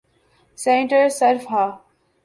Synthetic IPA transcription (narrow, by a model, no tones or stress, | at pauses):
sẽːɳʈəɾseɾfɦaː